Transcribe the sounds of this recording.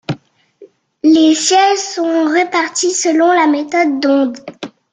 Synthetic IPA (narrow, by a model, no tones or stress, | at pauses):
lesjɛlsɔ̃ʁepaʁt̪isəlɔ̃lamet̪ɔd̪ːɔ̃d̪